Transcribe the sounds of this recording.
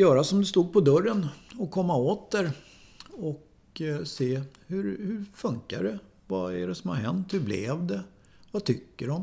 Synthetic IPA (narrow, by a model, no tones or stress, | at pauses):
jœːɾasɔmd̪ɵst̪uːɡ̪̚pʰɔd̪œrːənɔkʰɔmːaoːt̪̚d̪æɾ | ɔk | seːhɵɾhɵɾfɵŋkaɖɛ | vaæɖɛsɔmha̰ɾɦɛnt̪hɵblɛ̰vd̪ɛ | vat̪ʰʏkːəɖɔm